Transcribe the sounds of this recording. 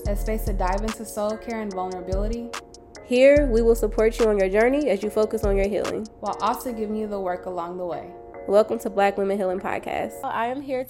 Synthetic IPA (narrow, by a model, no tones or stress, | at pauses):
ɨsbeɪsʌdaɪvɨ̃nsɨ̥soʊlˠkʰɛɹɨ̃nvʌlˠnə˞əbɪlˠəɾi | hiɹwiwɪlˠsəpʰɔɹt͡ʃɨə̃njə˞d͡ʒɜ˞niɨzjɨfoʊkɨsn̩jə˞ɦḭlˠɪ̰̃ŋwaɪlˠʔɔlˠsoʊɡɪvɪ̃ŋjɨðəwɜ˞kəlɔ̃ŋðəweɪ | wɛlˠkə̃mtʰəblæklɪ̃mɨɦɪlˠɪ̃ŋpʰɑ̰d̚kʰæ̰sta̰ɪɨ̃mɦiɹ